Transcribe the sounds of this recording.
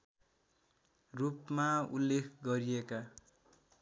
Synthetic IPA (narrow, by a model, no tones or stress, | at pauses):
rupmaṵlːekʰɡʌɾijeka